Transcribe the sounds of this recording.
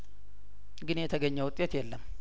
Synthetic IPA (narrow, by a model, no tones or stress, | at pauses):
ɡɨnjɛt̪ʰəɡəɲːəwʊt̪ʼːet̪jɛlːəm